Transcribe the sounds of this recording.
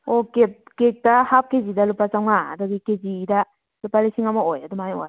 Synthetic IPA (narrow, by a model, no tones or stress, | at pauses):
oket̚kek̚tahap̚kezidalupat͡ʃawŋaa̰daɡikezida | lupalisiŋamaojadɔmajoj